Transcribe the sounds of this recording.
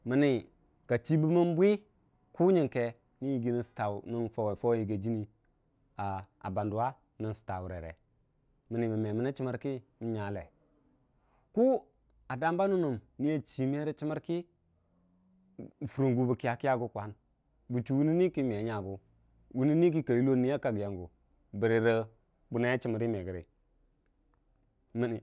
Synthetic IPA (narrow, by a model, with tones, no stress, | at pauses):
mi˨ni˨ | ka˨t͡ʃi˦bu˦ma˦nbʷi˦ | ku˦ɲi˨ŋke˨ | ni˦ji˨ɡi˦ni˦˨si̥˨ta˨u˨ni˦nfo˦we˨fo˦wji˨ɡe˨d͡ʒi˦ni˨ | a˨ | a̰˨ba˨ndu˨wa˦ | ni˨nsi̥˨ta̰˨wu˨ɾḛ˨ɾḛ˨ | mi˨ni˨mi˨me˨mi˨na˦t͡ʃi˦ma˦ɾki˦mi˨˦ɲa˨˦lḛ˨ | ku˦ | a˨da˦mba˦nu˦nu˨mni˦ja˦t͡ʃi˨m˦e˦ɾə˦t͡ʃi˦mə˦ɾki˦˨ | fu˨ɾo˨ŋɡu˨bə˨ki˦ja˨ki˦ja˦ɡu˦kʷa˨˦n | bu˨t͡ʃu˨wu˦ni˦ni˦ki˦m˨e˨˦ɲa˨ɡu˦ | wu˦ni˦ni˦k̬i˦ka˨ji˦lo˦ni˦a˦ka˨ɡja˨ŋɡu˨ | bə˨ɾi˨ɾə˦ | bu˨na˦ja˦t͡ʃi˦mə˨ɾi˦me˨ɡə˨ɾḭ˨ | mi˨ni˨